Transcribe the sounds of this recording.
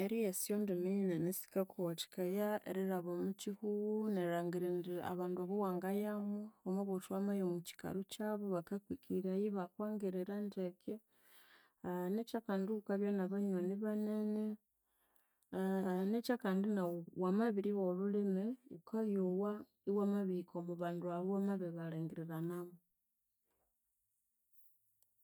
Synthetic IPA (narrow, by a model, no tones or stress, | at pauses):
eɾijesijondimiɲinanesi̥kakuwati̥kajaḛɾiɾaβomucihuwneɾaːŋɡiɾendia̰βaːndaβowaːŋɡajamuomoβotwamajomuci̥ka̰ɾucaβoβakakwikiɾajiβakwaːŋɡeɾeɾandeke | necakanduukaβjonaβaɲwaniβanene | necakaːndinawamaβiɾiwolulemeukaβjowa | iwamaβikʰomuβaːnduaβamaβeβalaːŋɡeɾiɾanamu